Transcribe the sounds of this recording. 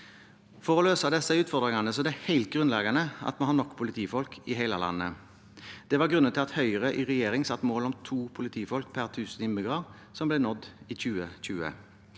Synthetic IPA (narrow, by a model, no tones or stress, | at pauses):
fɔʁɔløːsɑd̪ɛsːəʉːt̪fɔʁd̪ʁɪŋɑnəsɔd̪ɛhɛɪlt̪̚ɡʁʉnlɛɡɑnəɑ̰t̪mohɑːnɔkːpʰʊlɪt̪ʰiːfɔlkʰɪɦæɪlɑlɑ̰nːə̰ | d̪̥ɛʋɑʁɡʁʉnənt̪ɪlɑt̪hœʏəʁəʔɪʁɛjeːʁɪŋsɑt̪ːmoːlɔmt̪ʰuːpʰʊlɪt̪ʰiːfɔlkpʰæʁt̪ʰʉːsnɪmɪɡʁɑʁ | sɔmblɛnɔd̪ːiːçʉːəçʉːə̰